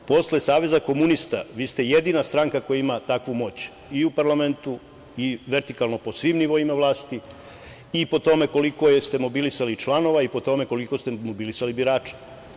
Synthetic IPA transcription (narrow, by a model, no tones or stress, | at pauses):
po̞sle̞saːʋe̞zako̞munist̪a̰ʋiːst̪e̞jed̪inast̪ɾaŋkako̞jaimat̪akʋumo̞ːt͡ɕ | iupaɾlˠame̞nt̪u | iʋe̞ɾt̪ikalˠno̞po̞sʋimniʋo̞imaʋlˠaːst̪i | ipo̞t̪o̞me̞ko̞liko̞jest̪e̞mo̞bilisalit͡ʃlˠano̞ʋaipo̞t̪o̞me̞ko̞liko̞st̪emo̞bilisalibiɾaːt͡ʃe̥